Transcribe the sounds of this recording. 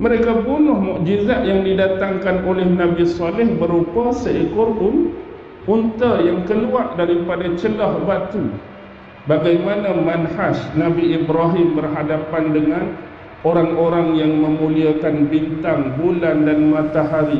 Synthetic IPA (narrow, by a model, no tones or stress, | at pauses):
mə̃ɾekabunʊhmuʔd͡ʒizaʔ̪jaŋdidat̪aŋkanolɛhnãbisɔlɪhbəɾupasaikuɾʔʊn | unt̪ajaŋkəluaʔdaɾipadat͡ʃəlɔhbat̪u | baɡajmanãmanhaʃnãbiibɾaɦɪmbərɦadapandəŋãn | oɾaŋoɾaŋjaŋmə̃mũliakanbint̪aŋbulandanmãt̪aɦaɾi